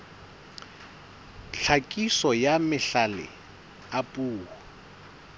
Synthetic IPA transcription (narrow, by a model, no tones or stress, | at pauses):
ɬʰakʼisɔjamɪɬalɪ̰ | apʼuːhʊ